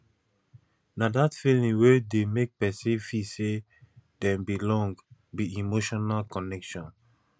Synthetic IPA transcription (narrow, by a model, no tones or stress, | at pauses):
nadatfilĩwedemek̚pɛsĩfise | dɛ̃mbilɔ̃ŋɡbiimoʃɔnalkɔnɛkʃɔ̃n